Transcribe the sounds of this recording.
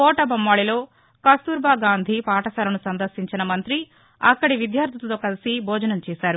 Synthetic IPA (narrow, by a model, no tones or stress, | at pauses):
pɔːʈɐbɐmːaːɭilo̞ː | kɐst̪uːɾbaːɡaːnd̪ʱipaːʈɐsɐːɾɐnusɐnd̪ɐɾsiɲt͡ʃinɐmɐnt̪ɾi | ɐkːɐɽiʋid̪jaːɾd̪ʱɐt̪t̪oːkɐlisibʱɔːd͡ʒɐnɐmt͡ʃɛːsaːɾu